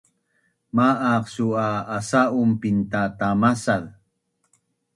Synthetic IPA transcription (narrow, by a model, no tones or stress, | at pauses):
maʔaqsuaːsaʔumpint̪at̪amasal